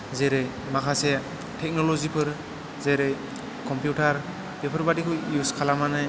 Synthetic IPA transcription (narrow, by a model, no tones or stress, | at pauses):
zeɾe | makʰasɛ | tʰɛk̚nɔlɔzipʰɯɾ | zeɾe | kɔmpjuʈaɾ | bepʰɯɾbadikʰɯjuskʰalamanaj